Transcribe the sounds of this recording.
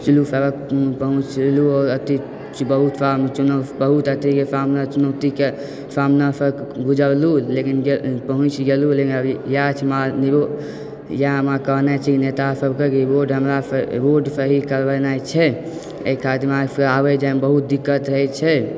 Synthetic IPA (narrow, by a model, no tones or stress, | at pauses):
t͡ʃilusəɾəkpəɦũt͡ʃluɔːɾət̪i | t͡ʃbəɦut̪fʰamt͡ʃunəbəɦut̪ət̪ikesamnat͡ʃunət̪ike | sʰamnasəɡud͡ʒəɾlulekinɡepəɦũt͡ʃɡelulekinəjat͡ʃʰmanio | jamakəɦnat͡ʃʰɛkinet̪asəbkekiboɾɖɦəmɾaboɾɖpʰəɦikəɾbənajt͡ʃʰɛ | ḛkʰat̪imaəabɛd͡ʒanbəɦut̪̚d̪ikːət̪ɾəɦɛt͡ʃʰɛ